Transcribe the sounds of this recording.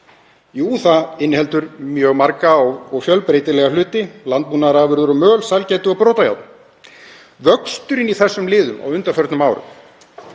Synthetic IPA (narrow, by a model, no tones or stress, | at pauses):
juːθaɪnːhɛlt̪ʏɾmjœːɣmaɾkaɔɔɣfjœlpɾeːjt̪ɪlɛːɣalʏːt̪ɪlant̪̚pmuːnaɾaːvʏɾðʏɾɔmœːlsalcɛːjt̪ʏɔwpɾoːt̪aja̰wt̪n | vœkst̪ʏɾɪniθɛsːʏmlɪːðʏma̰wʏnt̪afœɾt̪nʏmaːwɾʏ̰m